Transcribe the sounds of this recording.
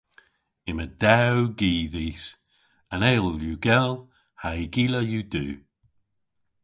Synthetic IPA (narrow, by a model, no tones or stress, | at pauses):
ɪməd̪awɡiːðiːs | anejlˠjuːɡɛl | hajɡiːləjuːd̪ṵː